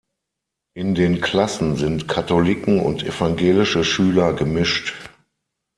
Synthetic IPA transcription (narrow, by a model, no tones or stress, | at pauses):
ʔɪndeːnkʰl̥asn̩zɪntkʰatolɪkŋ̩ʊ̰ntʔefaŋɡeːlɪʃəʃyːlɐɡəmɪʃt